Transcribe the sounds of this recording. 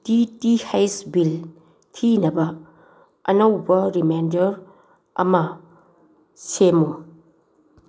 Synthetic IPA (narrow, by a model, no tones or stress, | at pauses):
titihajsbil | tʰinɐbɐ | ɐ̰nɐwbɐɾimajndɐɾ | ɐ̰mɐ | semu